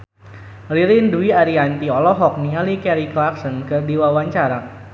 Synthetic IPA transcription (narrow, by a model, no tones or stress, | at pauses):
riɾɪnduiaɾiant̪iɔlɔɦɔk̚nialikɛɾiklaksɔnkərdiwawaɲt͡ʃaɾa